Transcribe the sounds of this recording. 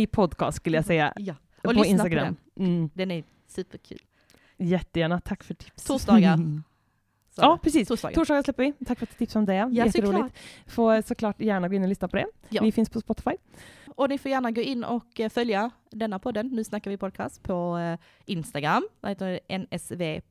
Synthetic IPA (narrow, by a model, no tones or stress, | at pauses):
ɪpʰɔd̪kʰɑ̰ːst̪skɵlːəjasɛjːa̰j | lɔɪnst̪aɡɾa̰m̩ː | d̪ɛnæɾ | sʉ̟ːpəɾkʰʉ̰ːl | jɛt̪ːəjæːɳat̪ʰakːfœʈʰɪ̥psʰuːd̪ɑɡaɾ | jɑːpɾɛsiːst̪ʰuːstd̪ɑ̰ɡ̪uːʂɖɑːɡaɾʂlɛpːəɾvɪt̪ʰakːfœɾat̪ːt̪ʰɪpsɔmd̪ɛɛjɛt̪ːəɾuːlɪfoːsɔkʰlɑːʈjæːɳaɡoːɪnːɔlʏsnapʰɔd̪ɛvɪfɪnspʰɔspɔt̪ːɪ̥fajɔnɪfoːjæːɳaɡoːɪnːɔ̰kfœlja | d̪ɛnːapʰɔd̪ːənːʉ̟ːsnakːaɾʋɪpʰɔd̪̚kʰɑ̰ːst̪pʰɔ | ʔɪnst̪aɡɾamːaheːt̪əʔɛnɛsveː